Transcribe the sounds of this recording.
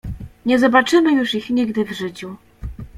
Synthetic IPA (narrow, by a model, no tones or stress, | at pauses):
ɲɛzɔbat͡ʂɘmɘjuʂixɲiɡd̪ɘvʐɘt͡ɕu